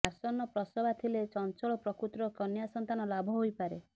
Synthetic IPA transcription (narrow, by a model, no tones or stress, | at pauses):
asɔnːɔpɾɔsɔbat̪ʰilet͡ʃɔnt͡ʃɔɭɔpɾɔkɾut̪ɾɔkɔnjasɔnt̪anɔlabʱɔɦojpaɾe